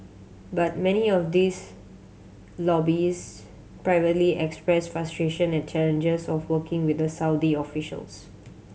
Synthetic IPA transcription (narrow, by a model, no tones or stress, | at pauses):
bat̚mɛniɔfd̪is | lɔbis | pɹaɪvətliʔɛkspɹɛsfɹastɹeʃə̃nɛ̃nt͡ʃɛlə̃nd͡ʒəsɔfwəkɪ̃ŋwɪd̪əsaʊdiɔfiʃə̰ls